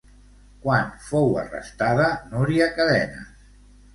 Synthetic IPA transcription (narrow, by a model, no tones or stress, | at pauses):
kwanfowə̰rə̰st̪aðənoɾiakəðɛnə̰